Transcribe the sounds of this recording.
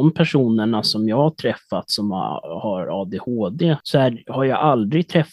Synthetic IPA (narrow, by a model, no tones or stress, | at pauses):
ɔmpʰæʂuːnəɳasɔmjɑːɡhaʈʰɾɛfːat̪sɔm̰haɾɑːd̪ehoːd̪eːsɔæhaɾjɑʔald̪ɾɪɡ̚t̪ʰɾɛf